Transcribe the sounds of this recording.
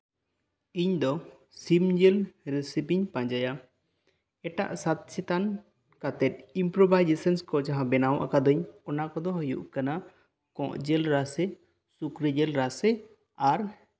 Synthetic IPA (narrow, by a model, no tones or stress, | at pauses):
iɲd̪ɔ | simd͡ʒɛlɾɛsipiɲpãd͡ʒaja | ɛʈa̰ʔsat̪̚sɛt̪an | kat̪ɛt̪̚impɾɔbajd͡ʒɛsɛnskɔd͡ʒaɦãbɛnawʔakad̪ɔɲɔnakɔd̪ɔɦɔjṵʔkana | kɔ̰̃ʔd͡ʒɛlɾasɛ | sukɾid͡ʒɛlɾasɛ | aɾ